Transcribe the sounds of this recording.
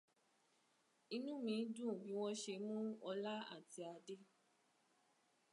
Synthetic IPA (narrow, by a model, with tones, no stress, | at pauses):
ĩ˧nũ˦mĩ˨˦dũ˦˨bĩ˨˦w̃ɔ̃˦ʃe˧mũ˦ɔ˧la˦a̰˦˨ti˧˦a˧de˦